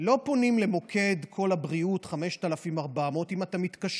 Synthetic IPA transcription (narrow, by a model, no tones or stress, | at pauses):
lo̞po̞nimlemo̞kʰe̞dkʰo̞labʁiutχame̞ʃtalafimaʁbamo̞timatamitkaʃ